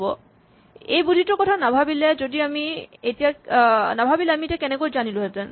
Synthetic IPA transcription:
bɔ | ḛjbud̪ʱitokɔtʰanabʱabilɛd͡ʑodiamietijanabʱabilɛamietiakɛnekojd͡ʑaniloɦeten

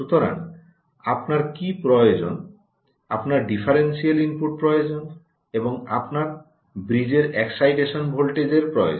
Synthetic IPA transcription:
ʃut̪oɾa̰n | apnaɾkipɾɔjod͡ʑon | apnaɾɖifʰaɾensialimpuʈ̚pɾɔjod͡ʑon | eboŋapnaɾ | bɾid͡ʑeɾeksajʈeʃonbʱolʈed͡ʑeɾpɾɔo̰

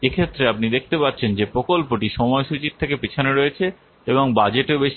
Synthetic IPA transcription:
ekʰet̪ːɾeap̚nid̪ek̚ʰt̪epatːɕʰend͡ʑepɾokolpoʈiʃɔmɔeʃut͡ɕiɾt̪ʰekepit͡ɕʰoneɾoet͡ɕʰe | eboŋbad͡ʑeʈebeʃi

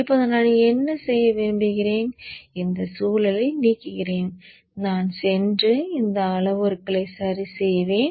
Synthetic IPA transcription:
ɪpːoːðɐnaːɭɛnːɐsɛjːɐʋeːɳɖɯɣɪɾeːnɪnd̪ɐsuːlɐlɐɪniːkːɯɣɪreːn | naːnsɛndrɯɪnd̪ɐɐɭɐʋɔɾɯkːɐɭɐɪsaːɾisɛjʋeːn

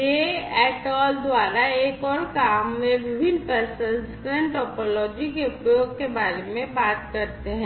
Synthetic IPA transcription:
jeɛːʈɔːld̪waːɾaeːkɔːɾkaːmːẽʋɪbʱɪnːpɛːsə̃sɪkɾə̃ɳʈɔːpɔːlɔːd͡ʒikeʊpɾjoːɡ̚kebaːɾemẽbaːt̪kɐɾt̪eɦɛ̃ː

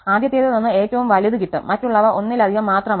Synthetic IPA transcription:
aːd̪jɐt̪ːeːt̪ɐnɐnːɨe̞ːtːɐʋumʋɐliðukiʈːɨmɐtːuɭːɐʋɐʔo̞nːilɐd̪ʱihɐmːaːt̪rɐm

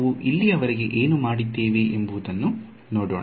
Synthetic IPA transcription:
ʋuʔilːiɐʋɐɾiɡe̞ʔeːnumaːɽit̪ːeːʋeʔembuːd̪ɐnːu | no̞ːɽo̰ːɳ

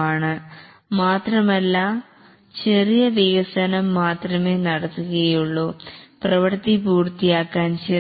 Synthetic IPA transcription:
aːɳɨ | maːt̪rɐmɐlːɐ | t͡ɕerijɐʋiɣɐsɐnɐmːaːt̪rɐme̞ːnɐɽɐt̪ːuɣɐjuɭːuprɐʋɐɾt̪ːipuːrt̪ːijaːkːaːnt͡ɕe

